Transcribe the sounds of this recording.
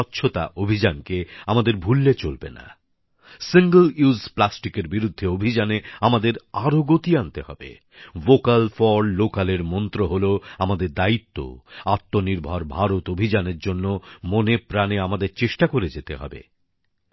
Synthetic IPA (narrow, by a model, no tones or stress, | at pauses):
tːɕʃʰot̪a̰ʔobʱid͡ʑankeamad̪eɾbʱulːet͡ɕolbena̰ | siŋɡəluzplasʈikeɾbiɾud̪ʱːeobʱid͡ʑaneamad̪eɾaɾoɡot̪iant̪ehɔ̰bḛ | vokalfɔɾɖlokaleɾmɔnt̪ɾoɦoloamad̪eɾd̪ait̪ːo̰at̪ːoniɾbʱɔɾbʱaɾot̪obʱid͡ʑaneɾd͡ʑonːomonepɾaneamad̪eɾt͡ɕeʃʈakoɾed͡ʑet̪eɦɔ̰bḛ